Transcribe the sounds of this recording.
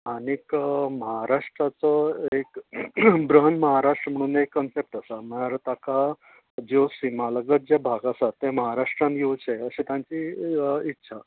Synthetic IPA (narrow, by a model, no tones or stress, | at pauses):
anikməɦaɾaʂʈɾat͡səek | bɾəɦənməɦaɾaʂʈɾəm̤əɽ̃uːnekːənsep̚ʈasam̤əɽaɾt̪aka | d͡ʑosimaləɡət̪̚d͡ʑjabʱaɡasat̪ːẽməɦaɾaʂʈɾãnjewt͡ɕʰeəɕit̪jãɲt͡ɕiitːɕʰa